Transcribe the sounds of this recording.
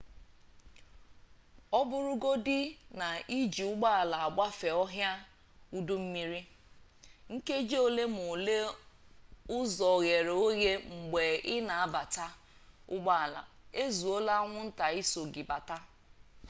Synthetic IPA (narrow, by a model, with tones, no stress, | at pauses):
ɔ˦bʊ˦ɾʊ˦ɡo˦dɪ˦na˨ʔi˦d͡ʒi˨ʊ˦ɡ͡ba˦a˨la˨a˨ɡ͡ba˦fe˨ɔ˦ɦja˦ | u˦du˦m̩˦mi˦ɾi˦ | ŋ̩˦ke˦d͡ʒe˦o˨le˦mʊ˨le˦ | ʊ˦zɔ˨ɣe˨ɾe˨o˦ɣe˦ŋ͡m̩˨ɡ͡be˨ɪ˦na˨a˦ba˨ta˦ | ʊ̰˦ɡ͡ba˦a˨la̰˨ | e˦zu˨o˦la˦ŋʷʊ˦n̩˦ta˨i˦so˨ɡɪ˨ba˨ta˦